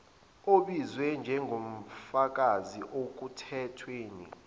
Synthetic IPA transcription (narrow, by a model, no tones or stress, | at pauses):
oɓizwɛnd͡ʒʱɛŋɡʱom̩fak̬ʼaziʔok̬utʰɛtʰweːnḭ